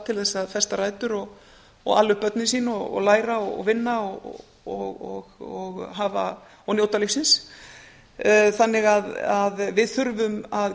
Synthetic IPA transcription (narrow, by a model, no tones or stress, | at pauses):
t̪ʰɪlθɛsːaðfɛst̪aɾaːjt̪ʏɾɔɣ | ɔ̰ɣalːʏhpœt̪nɪsiːnɔɣɔ̰ɣlaːjɾaɔɣɔ̰ɣvɪnːaɔ | ɔɣɔɣɔɣɦaːva̰ | ɔnjowt̪alifsɪns | θanːɪɣaðaðvɪðθʏɾvʏmað